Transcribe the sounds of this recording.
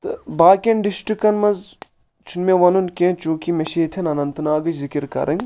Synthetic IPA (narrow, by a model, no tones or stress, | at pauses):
t̪ɨbaːkʲɐnɖisʈɾikɐnmɐnz | t͡ʃʰunmeʋɐnunkʲẽt͡ʃũːkimeʃiːt̪ʰɐnɐnɐnt̪naːɡɐt͡ʃzikiɾkɐ̰ɾʔɐŋɡ